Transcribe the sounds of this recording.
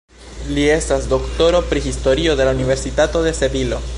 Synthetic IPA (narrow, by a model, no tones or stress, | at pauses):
lie̞stasd̪o̞kto̞ɾo̞pɾihisto̞ɾio̞d̪e̞launive̞ɾsitato̞de̞se̞bilo̞